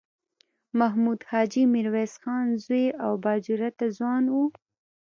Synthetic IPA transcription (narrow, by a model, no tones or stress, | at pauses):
maɦmud̪hɑd͡ʒimɪɾwesxɑnzweʔawbɑd͡ʒuɾat̪azwɑnwu